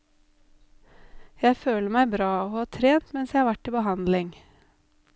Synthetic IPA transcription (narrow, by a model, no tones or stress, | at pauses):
jæɪføːləmæɪbɾɑːoːhɑːt̪ʰɾeːnt̪mɛnsjæɪhɑːʋæʈːiːbəhɑnd̪lɪŋ